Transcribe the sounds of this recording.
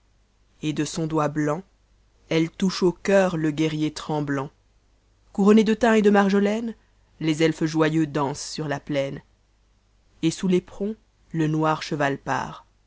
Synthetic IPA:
ed̪əsɔ̃d̪wablɑ̃ | ɛlt̪uʃokœːʁləɡɛʁjet̪χɑ̃blɑ̃ | kuʁɔned̪ət̪ɛ̃ed̪əmaʁʒəlɛn | lezɛlfəʒwajød̪ɑ̃sːyʁlaplɛn | esulepχɔ̃ | lənwaːʁʃəvalpa̰ːʁ

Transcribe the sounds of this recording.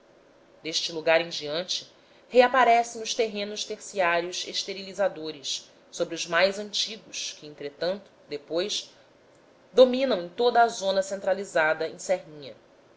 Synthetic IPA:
d̪eʃt͡ʃɪluɡaɾẽj̃d͡ʒiɐ̃nt͡ʃɪ̥ | heapaɾɛsẽj̃ʊʃt̪eɦẽnʊʃt̪eχsiaɾiʊʃeʃt̪eɾilizad̪oɾɪs | sobɾiʊzmajzɐ̃nt͡ʃiɡʊʃkɪẽnt̪ɾet̪ɐ̃nt̪ʊ̥d̪epojs | d̪omĩnɐ̃w̃ẽj̃t̪od̪ɐːzõnɐsẽnt̪ɾalizad̪ɐẽsɛɦĩɲɐ

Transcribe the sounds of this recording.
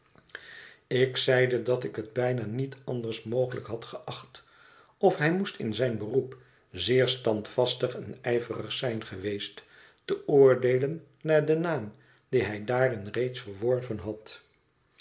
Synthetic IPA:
ɪksɛjdədɑtɪkɦəd̚bɛjnaːnitɑndəɹsmowχələkɦɑtχəʔɑχt | ɔfɦɛjmustɪ̰nzɛjnbərup | zɪːɹstɑntfɑstəχɛnɛjvərə̰χsɛjnχəʋejst | təʊːɹdejlənː | aːɹdənaːm | d̥iɦɛjdaːrɪnrejtsfəɹʋɔɹvənɦɑt

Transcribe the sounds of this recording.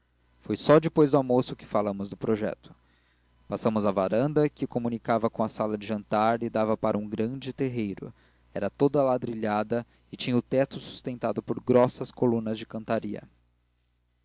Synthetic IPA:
fojsɔd͡ʒɪpojzd̪ʊamosʊkɪ̥falɐ̃mʊzd̪ʊpɾoʒɛ̰t̪ʊ̥ | pasɐ̃mʊzɐvaɾɐ̃nd̪ɐkɪkomũnikavɐkõɐsalɐd͡ʒɪʒɐ̃nt̪aɾɪd̪avɐpaɾʔɐũɡɾɐ̃d͡ʒɪt̪eɦejɾʊ̰ | ɛɾɐt̪od̪ɐlad̪ɾiʎad̪ɐ | ɪt͡ʃĩɲɐʊt̪ɛt̪ʊsu̥st̪ẽnt̪ad̪ʊpoɾɡɾɔsɐskolũnɐzd͡ʒɪkɐ̃nt̪aɾiɐ̰

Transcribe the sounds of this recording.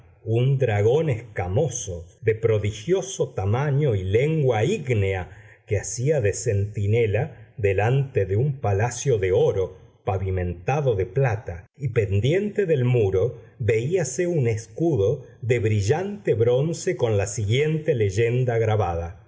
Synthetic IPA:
und̪ɾaɣo̞neskamo̞soðe̞pɾo̞ðixjo̞sot̪amaɲo̞ile̞ŋɡwaiɣneakeasiaðe̞se̞nt̪ine̞laðe̞lant̪eðeumpalasjo̞ðeo̞ɾo̞paβimẽ̞nt̪aðoðe̞plat̪aipe̞nd̪je̞nt̪e̞ðe̞lmuɾo̞ | βe̞iaseune̞skuðo̞ | ðe̞βɾiʒant̪eβɾo̞nse̞ko̞nlasiɣje̞nt̪ele̞ʒe̞nd̪aɣɾaβað̞a

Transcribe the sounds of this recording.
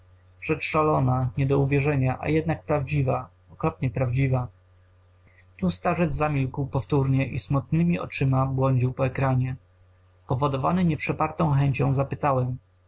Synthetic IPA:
ʐ̥ɛt͡ʂʂalɔnaɲɛd̪ɔuvʲjɛʐɛɲaʔa̰jɛd̪̚nak̚pɾavd͡ʑiva | ɔkɾɔpɲɛpɾavd͡ʑiva | t̪ust̪aʐɛd̪zamʲilkwpɔft̪uɾɲɛʔḭsmut̪nɘmʲiʔɔ̰t͡ʂɘmabwɔɲd͡ʑiwpɔɛkɾaɲɛ | pɔvɔd̪ɔvanɘɲɛpʂɛpaɾt̪ɔ̃w̃xɛɲt͡ɕɔ̃w̃zapɘt̪awɛm

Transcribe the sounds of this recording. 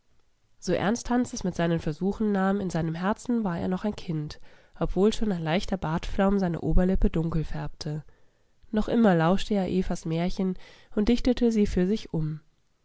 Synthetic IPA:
z̥oːʔɛ̰ɐnsthansɛsmɪtz̥aɪnənfɛɐzuːxn̩naːmɪnzaɪnəmɦɛɐt͡sn̩vaːɐʔḛːɐnɔχaɪnkʰɪntʔɔpv̥oːlʃoːnaɪnlaɪçtɐbaːtflaʊmzaɪnə̰ʔoːbɐlɪpədʊŋkl̩fɛɐp̚tʰə | nɔχʔɪmɐlaʊʃtəeːɐʔeːfasmɛːɐçən | ʊntd̥ɪçtətʰəziːfyːɐzɪçʔʊm

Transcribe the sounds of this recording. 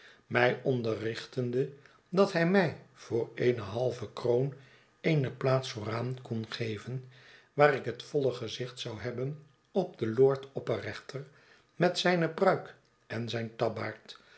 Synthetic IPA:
mɛjɔndərɪχtəndə | dɑtɦɛjmɛjv̥ʊːɹejnəɦɑlˠvəkrown | ejnəplaːtsfoːraːnkɔnχejvənʋaːɾɪkɦətfɔləχəzɪχtsɑwɦɛbən | ɔb̚dəlʊːɹtʰɔpərɛχtʰəɹ | mɛtsɛjnəprœɥk | ɛnzɛjntɑbaːɹt

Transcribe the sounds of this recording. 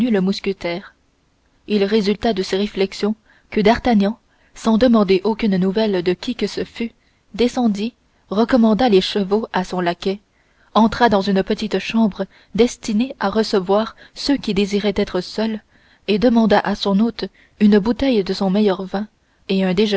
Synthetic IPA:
yləmuskʲət̪ɛːʁ | ilʁezylt̪ad̪əseʁeflɛksjɔ̃ | kəd̪aʁt̪aɲɑ̃ | sɑ̃d̪əmɑ̃d̪eʔokʲynnuvɛld̪əkʲʰikəsəfy | d̪esɑ̃d̪i | ʁəkɔmɑ̃d̪aleʃəvoasɔ̃lakʲɛ | ɑ̃t̪χad̪ɑ̃zynpət̪it̪ʃɑ̃bʁə | d̪ɛst̪ineaʁəsəvwaːʁsøkʲid̪eziʁɛt̪ɛt̪χəsœl | ed̪əmɑ̃d̪aʔasɔ̃not̪ | ynbut̪ɛjd̪əsɔ̃mɛjœʁvɛ̃ | eɛ̃d̪eʒə

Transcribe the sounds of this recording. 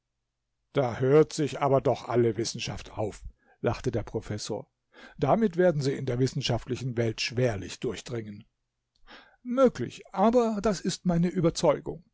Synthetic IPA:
d̥aːhøːɐtz̥ɪçʔaːbɐdɔχʔa̰ləvɪsn̩ʃaftʰaʊf | laχtədeːɐpʁ̥ofɛso̰ːɐ | d̥amɪtv̥eːɐdn̩ziːɪndeːɐvɪsn̩ʃaftlɪçn̩vɛltʃv̥eːɐlɪçd̥ʊɐçd̥ʁɪŋən | møːklɪ̰çʔaːbɐd̥asɪstmaɪnəʔyːbɐt͡sɔʏɡʊ̰ŋ

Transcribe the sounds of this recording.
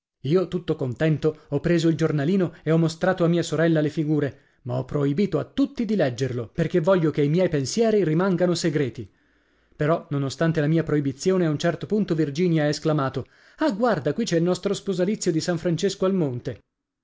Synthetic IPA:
iːot̪ut̪ːokont̪ɛnt̪oɔpːɾeːzoild͡ʒornaliːnoeɔmːost̪ɾaːt̪oamːiːasoɾɛlːalefiɡuːɾe | maɔpːɾoibiːt̪oat̪ːut̪ːid̪ilɛd͡ʒːerloperkevːɔʎːokeimjɛjpensjɛːɾirimaŋɡanoseɡɾeːt̪i | peɾɔnonost̪ant̪elamiːapɾoibit̪sːjoːneaunt͡ʃɛrt̪opunt̪ovird͡ʒiːnjaaesklamaːt̪o | aɡward̪akwit͡ʃːɛilnɔst̪ɾospozalit̪sːjod̪isaɱfɾant͡ʃeskoalmont̪e

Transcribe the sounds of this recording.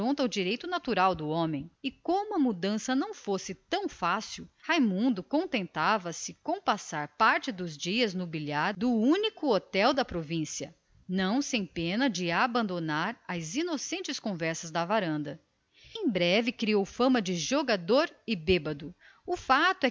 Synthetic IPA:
õnt̪ɐʊd͡ʒiɾejt̪ʊnat̪uɾawd̪ʊõmẽj̃ɪkõmʊɐmud̪ɐ̃sɐnɐ̃w̃fosɪt̪ɐ̃w̃fasiwhajmũnd̪ʊkõnt̪ẽnt̪avɐsɪkõw̃pasaɾpaɾt͡ʃɪd̪ʊzd͡ʒiɐznʊbiʎaɾd̪ʊũnikʊot̪ɛwd̪ɐpɾovĩsiɐ̰ | nɐ̃w̃sẽj̃pẽnɐd͡ʒɪabɐ̃nd̪onaɾɐzinosẽnt͡ʃɪskõvɛɾsɐzd̪ɐvaɾɐ̃nd̪ɐ | ẽj̃bɾɛvɪkɾiowfɐ̃mɐd͡ʒɪʒoɡad̪oɾɪbebɐd̪ʊ | ʊfat̪ʊɛ

